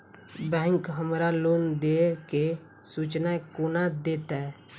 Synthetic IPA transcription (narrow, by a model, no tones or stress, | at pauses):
bɛ̃ːŋkɦəmɾalond̪eke | sut͡ʃnakonad̪et̪ɛ